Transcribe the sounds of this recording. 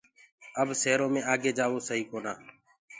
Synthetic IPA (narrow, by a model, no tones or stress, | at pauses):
əbseːɾõːmẽːaːɡeːd͡ʒaːʋoːsəɦiːkoːnaː